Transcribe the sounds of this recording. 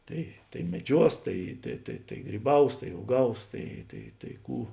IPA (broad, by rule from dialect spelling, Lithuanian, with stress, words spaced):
ˈtɐɪ tɐɪ mʲɛˈd͡ʒʲuɔs ˈtɐɪ tɐɪ tɐɪ tɐɪ ɡrʲiːˈbɐʊs tɐɪ uɔˈɡɐʊs ˈtɐɪ tɐɪ tɐɪ ˈkuː